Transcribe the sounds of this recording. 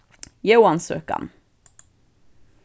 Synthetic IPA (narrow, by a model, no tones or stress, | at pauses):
jɛwɑnsø̰ːkɑ̰n